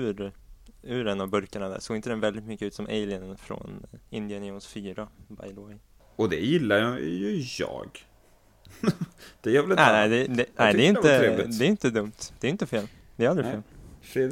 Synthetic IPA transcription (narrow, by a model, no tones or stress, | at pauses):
ʉɾ | ʉ̟ːɾɛnːavbɵɾkaɳad̪æ̰ʂoːɡɪnt̪əd̪ɛnvɛld̪ɪt̪mʏkːəʉ̟t̪sɔmʔḛɪlɪənfɾɔ̰nɪnd̪ɪənjnsfyːɾaba̰jd̪wɛj | ɔd̪ɛjɪlːajjɵjɑ̰ːɡ | d̪̥ɛjœɾvɛlɪnɛnɛɪd̪ɛd̪ɛnæɪɛɪnəɾeːvlɪdɛɾɪnt̪əd̪ɵmt̪d̪ɛːjʏɪnt̪əfeːl | d̪ɛɾald̪ɾɪfeːlfɾed̪